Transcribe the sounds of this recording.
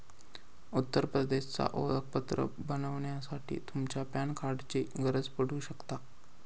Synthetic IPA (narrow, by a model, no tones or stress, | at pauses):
ut̪ːəɾpɾəd̪eɕt͡sa̰ʔolək̚pət̪ɾə̰bənəʋɳjasaʈʰḭːt̪umt͡ɕjapjankʰaɾɖt͡ɕeɡəɾəd͡zpəɽuɕəkt̪a